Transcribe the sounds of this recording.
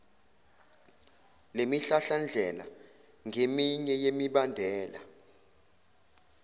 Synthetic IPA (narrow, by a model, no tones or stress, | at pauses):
lemiɬaɬand͡ɮʱɛla̰ | ŋʱemiɲɛjemiɓandʱɛːla̰